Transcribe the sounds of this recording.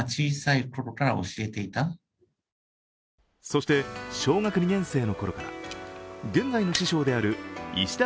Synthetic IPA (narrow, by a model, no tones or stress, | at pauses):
t͡ɕiːsaiko̞ɾo̞kaɾao̞̰ɕie̞t̪e̞it̪a | so̞ɕi̥t̪e̞ɕo̞ːŋakɯ̟ɲ̟iɡẽ̞ɰ̃se̞ːno̞ko̞ɾo̞kaɾa̰ | ɡẽ̞ŋɡaino̞ɕiɕo̞ːd̪e̞aɾɯ̟iɕi̥d̪a